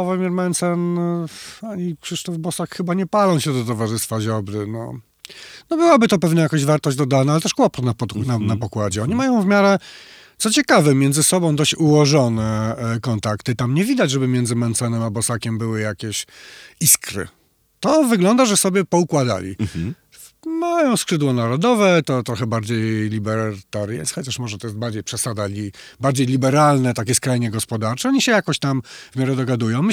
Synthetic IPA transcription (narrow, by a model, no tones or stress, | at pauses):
ɔvɛmʲjɛɾmɛnt̪sɛn | aɲikʂɘʂt̪ɔvbɔsakxɘbaɲɛpalɔ̃w̃ɕɛd̪ɔt̪ɔvaʐɘst̪faʑɔbɾɘnɔ̰ | nɔbɘwabɘt̪ɔpɛvnajakɔʑvaɾt̪ɔʑd͡ʑd̪ɔd̪anaalɛt̪ɛʂkwɔpɔt̪napɔnanapɔkwad͡ʑɛɔɲimajɔ̃w̃vmʲjaɾɛ | t̪sɔt͡ɕɛkavɛmʲjɛndzɘsɔbɔ̃w̃d̪ɔɕt͡ɕuwɔʐɔnɛkɔnt̪akt̪ɘt̪amɲɛvʲid̪ad͡ʑʐɛbɘmʲjɛnd̪zɘmɛnt̪sɛnɛmabɔsakʲɛmbɘwɘjakʲɛɕiskɾɘ̰ | t̪ɔvɘɡlɔnd̪aʐɛsɔbʲjɛpɔukwad̪a̰lʲḭ | majɔ̃w̃skʂɘd̪wɔnaɾɔd̪ɔvɛt̪ɔt̪ɾɔxɛbaɾd͡ʑejlʲibɛɾt̪aɾjɛ̰sxɔd͡ʑaʂmɔʐɛt̪ɔjɛst̪baɾd͡ʑejpʂɛsad̪alʲibaɾd͡ʑejlʲibɛɾalnɛt̪akʲɛskɾajɲɛɡɔspɔd̪aɾt͡ʂɛɔɲiɕɛjakɔɕt̪amvmʲjaɾɛd̪ɔɡad̪ujɔ̃w̃m